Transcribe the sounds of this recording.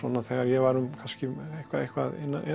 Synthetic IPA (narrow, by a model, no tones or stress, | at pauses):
vɔ̰naθɛɣaɾjɛvaɾʏmkʰanscɪehkvaðejhkva̰ðḛnːaʔ